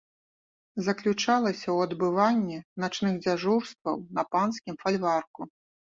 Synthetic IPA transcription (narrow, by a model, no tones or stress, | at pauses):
zɐklʲut͡ʂalˠɐsʲɐwɐd̪bɨvanʲːinat͡ʂnɨɣd͡zʲaʐurst̪vɐ̰wnɐpanskʲimfalʲvarku